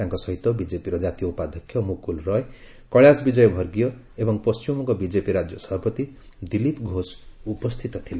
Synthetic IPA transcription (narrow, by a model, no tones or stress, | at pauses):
jãŋkosʌɦit̪ːobid͡zepiɾʌd͡zat̪ijoupad̪ʱʌkʰjʌmukulrʌe | kʌɭjasbid͡zʌjbʱʌrɡijo | ebʌŋpʌst͡ʃimokobid͡zepiɾad͡zjʌsʌbpʌt̪i | d̪ilipɡʱosupʌst̪ʰit̪ʌt̪ʰile